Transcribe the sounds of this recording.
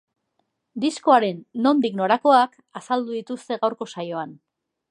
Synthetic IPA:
d̪isko̞aɾe̞nːo̞nd̪ikno̞ɾako̞ak | asald̪uðit̪ust̪e̞ɣawɾko̞sajo̞an

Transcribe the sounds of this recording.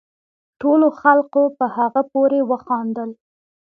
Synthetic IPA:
ʈoloxalqopəhaɣapoɾewəxɑnd̪əl

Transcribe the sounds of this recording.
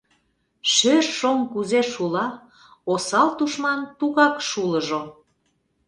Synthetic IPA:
ʃørʃomkuzeʃulɑ | osɑlt̪uʃmɑnt̪uɣɑkʃuləʒo

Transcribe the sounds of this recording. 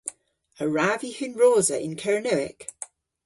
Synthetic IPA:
əɹaːvihɪnɹɔːzəʔɪ̰̃nkʰəɹnəʊɪ̰k

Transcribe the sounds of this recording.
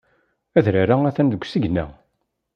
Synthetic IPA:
æðɾaɾaæθænðəɡʷsiʝnæ̰

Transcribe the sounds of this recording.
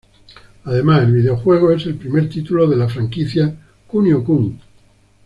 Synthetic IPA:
aðe̞maselβið̞eo̞xwe̞ɣ̞oe̞se̞lpɾime̞ɾt̪it̪uloð̞e̞lafɾaŋkiθja | kunjokuŋ

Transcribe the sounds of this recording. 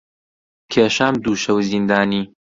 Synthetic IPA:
kʰeːʃaːmd̪uːʃɐwzind̪aːniː

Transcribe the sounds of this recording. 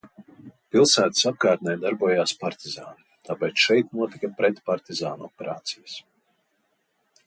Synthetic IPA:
pilˠsæːt̪i̥sap̚kaːt̪̚nɛjd̪aɾbuɔjaːspaɾt̪izaːnut̪ʰaːpɛt̪sʃɛjt̪nuɔt̪ikapɾɛt̪paɾt̪izaːnuɔpɛɾaːt̪sijɐs

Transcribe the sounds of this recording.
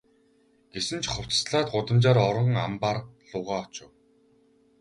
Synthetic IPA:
ɡ̥esɘ̆nt͡ɕχʊw̥t͡ssɮaːt̪̚ɢʊt̪ə̆mt͡ɕaːɾɔɾə̆ŋampaːrɮʊːʁaːɔt͡ɕʊ̆w

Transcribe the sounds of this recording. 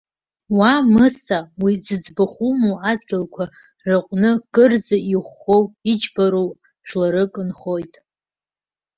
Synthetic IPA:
wamɨsawid͡zɨd͡zbaχumoadɡʲɪlkʷʰa | rɨqʷʼnɨɡ̥ʼɨrd͡zaiχʷːowid͡ʒbaɾow | ʃᶣlaɾɨkʼɨnχo̞jtʼ

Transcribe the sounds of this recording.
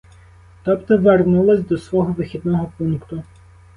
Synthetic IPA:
t̪ɔpt̪ɔʋernulˠɐsʲd̪ɔsʋɔɦɔʋɪxʲid̪nɔɦɔpunkt̪ʊ

